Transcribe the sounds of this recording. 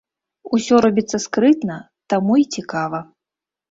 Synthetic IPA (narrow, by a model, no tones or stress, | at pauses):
usʲɔɾɔbʲit̪sːɐskɾɨt̪nɐ | t̪amuit͡sʲikavɐ